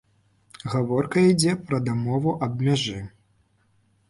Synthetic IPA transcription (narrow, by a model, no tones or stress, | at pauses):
ɣavɔrkɐid͡zʲɛpɾɐd̪amɔvuʔɐbmʲaʐɨ